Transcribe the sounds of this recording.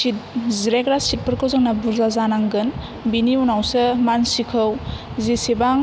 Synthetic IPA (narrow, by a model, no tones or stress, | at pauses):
sit̚ziɾekɾasit̚pɯɾkɯwzɯŋnabuɾzazanaŋɡɯn | biniunawsɯmansikʰɯw | zisebaŋ